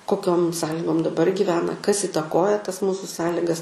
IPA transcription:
koːˈkʲoːm ˈsɑːlʲɪɡoːm dɐˈbɐr ɡʲɪˈʋʲæːnɐ kɐs ɪtɐˈkoːjɛ tɐs ˈmuːsʊ ˈsɑːlʲɪɡɐs

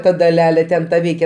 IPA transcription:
ˈtɐ dɐˈlʲæːlʲeː ˈtʲɛn tɐ ˈʋʲɛɪkʲɛ

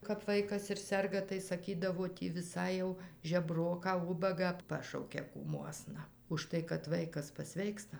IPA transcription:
kɐp ˈʋɐɪkɐs ɪr ˈsʲɛrɡɐ tɐɪ sɐˈkʲiːdɐʋoː ˈtʲiː ʋʲɪˈsɐɪ jɛʊ ʒʲɛˈbroːkɑː ˈʊbɐɡɑː ˈpɑːʃɐʊkʲɛ kuːˈmuɔsnɐ ʊʃˈtɐɪ kɐt ˈʋɐɪkɐs pɐˈsʲʋʲɛɪkstɐ

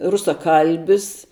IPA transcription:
rʊsɐˈkɐlʲbʲɪs

